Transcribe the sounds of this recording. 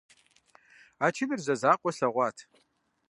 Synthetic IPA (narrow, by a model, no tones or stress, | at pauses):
aːt͡ʃʰɪnɨrzɐzaːqʷʼɔɬɐʁʷɑːtʰ